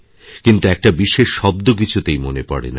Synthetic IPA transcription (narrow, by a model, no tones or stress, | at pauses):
kint̪uɛk̚ʈabiʃeʃːɔb̚d̪ok̬it͡ɕʰut̪ejmonepɔ̰ɽḛna